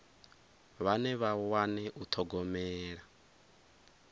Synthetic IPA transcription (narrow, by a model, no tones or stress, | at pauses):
βanɛβawanɛʔut̪ʰɔɡɔmɛːɺa